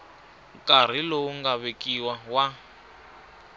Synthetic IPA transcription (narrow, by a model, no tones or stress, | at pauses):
kʼar̤ilouŋɡaβekʼiwawa